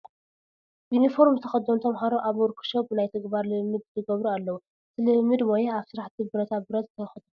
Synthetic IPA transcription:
junifo̞ɾmzɨt̪ʰɐ̥xɐd̪ːomt̪ʰɐmħaɾoʔaβwɔɾkʰu̥ʃobɨnajt̪ʰɨɡbaɾlɨmːɨd̪̚zɨɡɐβɾualːɐwu | ɨt̪ʰɨlɨmːɨd̪mojaaβsɨɾaħt̪ʰibɨɾɐt̪ʰabɨɾɐt̪zɨt̪ʰɐxɐd̪u

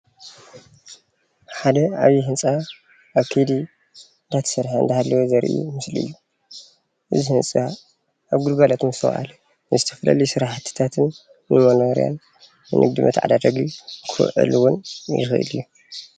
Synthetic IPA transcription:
ħad̪ɐa̰βjiɦɨnt͡sʼa | ʔːβkʰed̪i | d̪at̪ʰɐ̥sɐɾħaɨnd̪ɐhalːɐwozɐɾʔṵmɨsliɨ̰jːu | ʔɨzihɨnt͡sʼa | ʔaβɡulbalat̪mɨsʰɐ̰wʔa̰lɐ | nɨzɨt̪ʰɐ̥fɐla̰lisɨɾaħt̪ʰɨ̥t̪ʰat̪ʰɨnː | ɨmɐnoɾḭja̰nː | ɨ̰nʔɨ̰ɡ̚d̪ɨmɐ̰t̪ʕa̰d̪ad̪ɐɡikʰɨ̰ʕɨ̰luwʊnjɪ̰xʔɨ̰lijːu

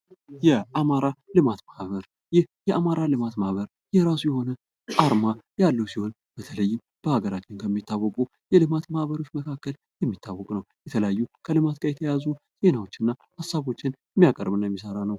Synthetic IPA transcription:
jɛʔamaɾalɨmat̪mahβəɾ | jɪhjɛʔamaɾalɨmat̪mahβəɾ | jɛɾasujɛho̞nə | aɾmajalːəwsiho̞n | b̥ət̪ʰələjːɪm | b̥əhaɡəɾat͡ʃːɪnkʰəmːit̪ʰːawːɔkʼu | jɛlɨmat̪mahβəɾo̞t͡ʃməkʰakːəl | jɛmːit̪ʰːawːɔkʼnəwjɛt̪ʰələjajːukʰəlɨmat̪ɡʰʼajɛt̪ʰəjazu | z̥e̞nawot͡ʃːɪnːahasaβo̞t͡ʃːɪnjɛmːijakʼə̰ɾβɨnjɛmːis̬əɾanəw

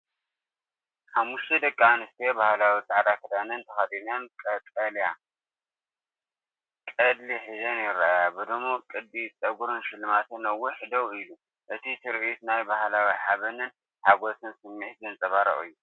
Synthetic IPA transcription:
ħamːuʃt̪ʰed̪ɐkʼːanɨst̪ʰebahlawit͡sʼaʕd̪akʰɐd̪anɨnt̪ʰɐxad̪inɐnkʼɐtʼɐlja | kʼɐd̪liħɨzɐnjɪɾaajabɨd̪ɨmokʼɨd̪ːit͡sʼɐɡuɾɨnʃɪlɨmat̪ɨnɐwuħd̪ɐwilu | ʔɨt̪ʰisɨɾʕit̪najbahlawiħaβɐnɨn | ħaɡo̞sɨnsɨmːiʕt̪zɨnt͡sʼɐβaɾɐ̰ʔʼɨ̰jːu

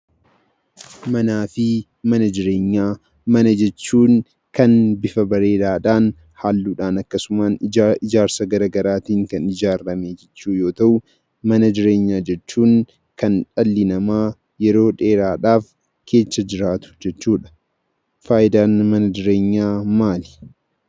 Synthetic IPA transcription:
mɐnaːfɪ | mɐnɐd͡ʒɪɾe̞ːɲːaː | mɐnɐd͡ʒɛt͡ʃːuːŋ | kɐnbɪfɐbɐɾe̞ːdaːᶑaːn | haːlːuːᶑaːnɐkːɐsʊmaːnɪd͡ʒaːɾsɐɡɐɾɐɡɐɾaːt̪iːŋkɐnɪd͡ʒaːɾːɐmed͡ʒɛt͡ʃːuːjo̞ːt̪ɐʔʊ | mɐnɐd͡ʒɪɾe̞ːɲːaːd͡ʒɛt͡ʃːuːŋ | kɐnᶑɐlːɪnɐmaː | jɛɾo̞ːᶑe̞ːɾaːᶑaːf | kʰe̞ːt͡ʃːɐd͡ʒɪɾaːt̪ʊ̥d͡ʒɛt͡ʃːuːᶑɐ̥ | faːʔɪd̪aːnmɐnɐd͡ʒɪɾe̞ːɲːaːmaːlɪ̥

